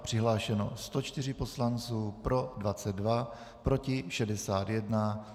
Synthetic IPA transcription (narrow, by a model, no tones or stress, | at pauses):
pr̝̥ɪɦlaːʃɛno̞̰st̪o̞t͡ʃt̪ɪr̝ɪpo̞slant͡suːpɾo̞dvat͡sɛd̪̚ːva | pɾo̞cɪʃɛdɛsaːt̪jɛdna